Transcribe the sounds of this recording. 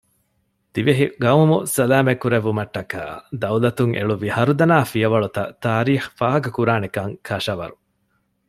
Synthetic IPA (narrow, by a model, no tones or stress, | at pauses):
t̪iʋeɦiɡɐumusɐlaːmekːuɾeʋːumɐʈːɐka̰ːd̪ɐwlɐt̪uŋḛɭuʋihɐɾud̪ɐnaːfijɐʋɐɭut̪ɐ̰t̪aːɾiːxfaːɦɐkɐkuɾaːnekɐŋkʰɐʃɐʋɐ̰ɾu